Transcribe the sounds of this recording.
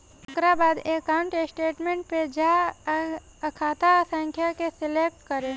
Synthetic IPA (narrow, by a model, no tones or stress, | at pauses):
ɡɾabaːd̪eːkawɳʈesʈeːʈmẽɳʈ̚ped͡ʒa | kʰaːt̪asə̃ŋkʰjakesɪleːk̚ʈkəɾe